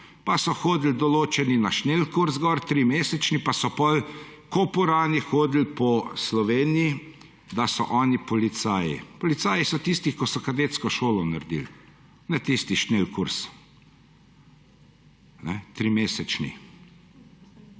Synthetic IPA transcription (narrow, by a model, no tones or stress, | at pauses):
pasɔxoːd̪ld̪ɔloːt͡ʃɛninaʃneːlkuɾzɡɔɾt̪ɾimeːsɛt͡ʃnipasɔpɔlkopuɾaːnixoːd̪lpɔslɔʋeːniji | d̪asɔʔɔːnipɔlit̪saːjḭpɔlit̪saːjisɔt̪ist̪ixkɔsɔkad̪eːt̪skɔʃoːlɔnaɾd̪ḭl | nɛt̪ist̪iʃnelkuɾs | nɛt̪ɾimeːsɛt͡ʃnḭ